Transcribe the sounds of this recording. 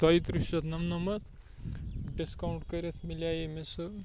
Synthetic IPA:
d̪ʌjt̪ɾisɐt̪nɐmnɐmɐt̪ʰ | ɖiskawɳʈkɐɾet̪ʰmiljajemesɨ

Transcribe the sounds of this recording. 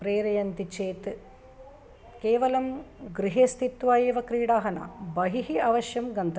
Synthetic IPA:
pɾeːɾɐjɐnt̪it͡ʃeːt̪ | keːʋɐlɐmɡɾiɦeːst̪ʰit̪ʋaːjeːʋɐkɾiːɽaːɦɐna̰bɐɦiɦiɐʋɐʃjɐmɡɐnt̪ɐ

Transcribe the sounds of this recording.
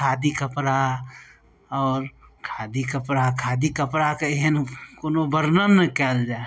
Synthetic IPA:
aːd̪ikəpɾa | ɔːɾkʰaːd̪ikəpɾakʰaːd̪ikəpɾakeeɦnkonobəɾnənːəkɛːld͡ʒaːe

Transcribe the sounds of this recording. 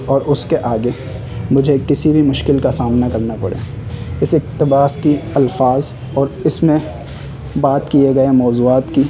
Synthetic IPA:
ɔːɾʊskeʔaːɡe | mʊd͡ʒʱekɪsibʱimʊʃkɪlkasaːmnakɐɾnapɐ̰ɽḛː | ɪsɪk̚t̪ɪbaːskiɐlfaːz | ɔːɾɪsmẽ | baːt̪kieɡɐemɔːzuːaːt̪ki

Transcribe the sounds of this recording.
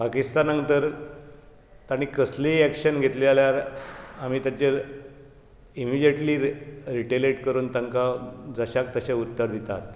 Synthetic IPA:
pakist̪anãŋt̪əɾ | t̪aɽ̃ikəsleækɕənɡʱet̪lealjaɾam̤iːt̪jat͡ɕe | imid͡ʑjəʈliːɾiʈeleʈkəɾuːnt̪aŋkad͡zəɕak̚t̪əɕaut̪ːəɾd̪it̪at̪

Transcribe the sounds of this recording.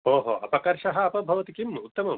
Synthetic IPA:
oːɦo̰ɐ̰pɐkɐɾʃɐɦɐːpɐbʱɐʋɐt̪ikimut̪ːɐmɐ

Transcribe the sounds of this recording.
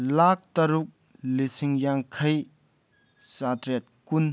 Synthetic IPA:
lak̚tɐɾuk̚ | lisiŋjaŋkʰɐj | satɾet̚kun

